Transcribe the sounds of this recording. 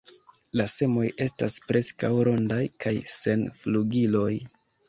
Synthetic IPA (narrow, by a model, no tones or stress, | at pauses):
lase̞mo̞je̞sta̰spɾe̞skawɾo̞ndajkʰajse̞nfluɡilo̞j